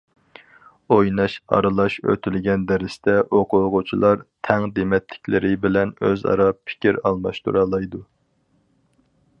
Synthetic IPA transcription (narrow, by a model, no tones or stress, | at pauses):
ojnɑʃɑ̰ɾɨlˠɑʃø̰t̪ʰylɡʲɛnd̪ɛɾɪst̪ɛʔoqʰʊʁʊt͡ʃʰilˠɑɾt̪ʰɛŋd̪emɛt̪lɪ̥kʲlɪɾɪbɪlɛnøzɑ̰ɾɑpʰːɪ̥kʲʰiɾɑ̰lˠmɑʃt̪ṵɾɑːlˠɑjd̪u